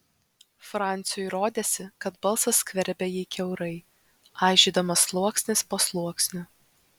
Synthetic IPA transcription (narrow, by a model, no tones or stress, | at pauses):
fɾɑˑnʲt̪sʲɪjʊɪɾoːd̪ʲeːsʲɪkɐt̪bɐlˠsɐskʲʋʲɛɾʲbʲɛjiːkʲɛʊɾɐɪ | ɑɪʒʲɪːd̪ɐmɐslˠuɔksʲnʲɪspoːslˠuɔksʲnʲʊ